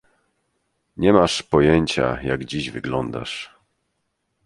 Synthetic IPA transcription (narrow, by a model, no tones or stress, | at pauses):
ɲɛmaʂpɔjeɲt͡ɕa̰jaɡd͡ʑiʑvɘɡlɔnd̪a̰ʂ